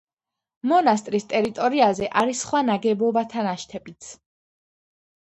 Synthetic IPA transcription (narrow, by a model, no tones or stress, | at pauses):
mɔnast̪ʼɾist̪ʼɛɾit̪ʼɔɾiazɛʔaɾisχwanaɡɛbɔbat̪ʰanaʃt̪ʰɛbit̪sʰ